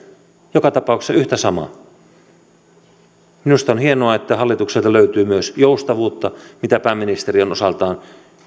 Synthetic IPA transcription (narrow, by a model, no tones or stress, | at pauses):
jokɑt̪ɑpɑˑukssɑyht̪æsɑmɑ̰ | minust̪ɑonhienoɑet̪ːæhɑlːit̪ukselt̪ɑløyt̪yːmyøsjoust̪ɑʋuːt̪ːɑmit̪æpæːmːinist̪erionosɑlt̪ɑːn